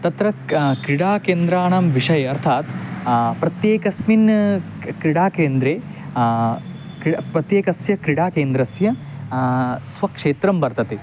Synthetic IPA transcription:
t̪ɐt̪ɾɐkɾiɽaːkeːnd̪ɾaːɳɐmʋiʂɐjɐɾt̪ʰaːt̪pɾɐt̪jeːkɐsmin | kɾiɽaːkeːnd̪ɾeː | kpɾɐt̪jeːkɐsjɐkɾiɽaːkeːnd̪ɾɐsjɐ | sʋɐkʂeːt̪ɾɐmbɐɾt̪ɐt̪e

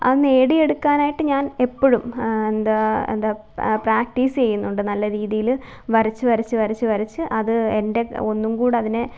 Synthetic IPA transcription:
ɐneːɽie̞ɽukːaːnaːjiʈːɨɲaːne̞pːoɻumend̪aːḛnd̪aː | praːk̚ʈiːst͡ɕe̞jːunːuɳɖɨnɐlːɐɾiːðijil | ʋɐɾit͡ɕːɨʋɐɾit͡ɕːɨʋɐɾit͡ɕːɨʋɐɾit͡ɕːɨʔɐðɨende̞o̞nːumkuːɽɨɐðinɨ

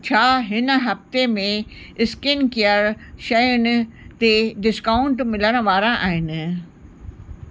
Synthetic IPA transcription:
t͡ɕʰaːɦɪn̆ɦɐft̪emẽ | ɪskɪnkijəɾʃɐjʊnɪ̆t̪eɖɪskaːʊɳʈmɪləɽ̃ʋaːɾãʔaːɦɪnɪ̆

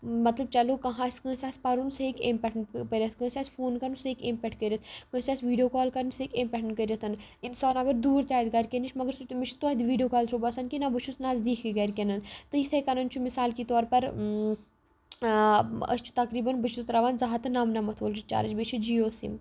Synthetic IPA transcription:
mɐt̪lɐb̚t͡ʃɐlokɐɦãːsʲkə̃ːsʲaːsʲpɐɾunseːkempʲɛʈʰnkəɾɐt̪ʰkə̃ːsʲaːsʲpʰoːnkɐɾunseːkempʲɛʈʰkəɾʲɐt̪ʰkə̃ːsʲaːsʲʋiːɖijoːkɔːlkɐɾɐnseːkeːmpʲɛʈʰɳkəɾɐt̪ʰɐn | insaːnɐɡəɾd̪uːɾt̪ʲaːt̪ɡɐɾʲkʲenit͡ʃʰmɐɡəɾsut̪umit͡ʃʰt̪od̪iʋiːɖijoːkaːlt̪ʰɾobɐsɐnkinabət͡ʃʰusnaːzd̪iːkʰkiɡɐɾʲkʲenɐnt̪ɨit̪ʰekɐnɐnt͡ʃʰumisaːlkit̪ɔːɾpɐɾ | ɐ̰st͡ʃʰu̥t̪ɐkɾiːbɐnbət͡ʃʰut̪ɾɐʋaːnzɐɦɐt̪ɨnaːmnɐmɐt̪ʰʋolit͡ʃa̰ːɾɐd͡ʒbet͡ʃʰid͡ʒijoːsḭm

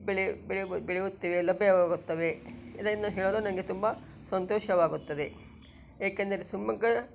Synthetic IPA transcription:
beɭibeɭibeɭiut̪ːiʋelɐbːeʋaːɡut̪ːɐʋeed̪ɐinːɐɦeːɭoːlonɐnɡet̪umbɐ | sɐnt̪oːʃɐʋaːɡut̪ːɐd̪e | eːkɐnd̪ɐɾesumɐɡɐ

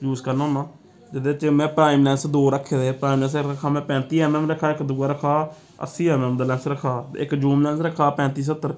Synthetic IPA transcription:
juːskəɾnãːnaː | d͡ʒɪd̪et͡ʃːmɛ̃ːpɾaːɪmlɛ̃ːnsd̪oːɾəkʰːeːd̪eːpɾaːimlɛ̃ːnsəɾəkʰaːmɛ̃ːpɛ̃ːnt̪iːɛːmɛːmɾəkʰːaːɪkd̪ʊɡaːɾəkʰaː | ə̰siːɛːmɛːmd̪aːlɛ̃ːnsɾəkʰːaːɪ̰kd͡ʒuːmlɛ̃ːnsɾəkʰaːpɛ̃ːnt̪iːs̬ət̪ːəɾ

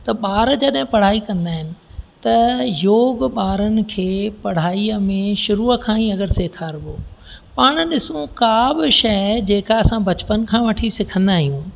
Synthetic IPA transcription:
t̪ɐɓaːɾd͡ʑɐɗɦɪ̃pɐɽ̤aːikɐ̃nd̪aːɦɪnɪ̆t̪ɐjoːɡɓaːɾənɪ̆kʰeːpɐɽ̤aːiəmẽʃʊɾuːəkʰãːĩɐɡəɾseːkʰaːɾboːpaːɽ̃ə̆ɗɪsũkaːbɪʃɐd͡ʑeːkaɐsãbɐt͡ɕpənkʰãːʋɐʈʰisɪkʰə̃nd̪aːɦijũː

